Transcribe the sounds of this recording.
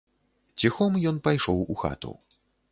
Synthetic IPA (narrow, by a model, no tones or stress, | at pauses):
t͡sʲixɔmjɔnpajʂɔwuxa̰t̪ṵ